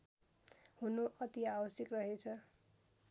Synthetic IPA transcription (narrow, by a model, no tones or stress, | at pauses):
ɦunoʔʌt̪iabʌsjʌkrʌɦet͡sʰʌ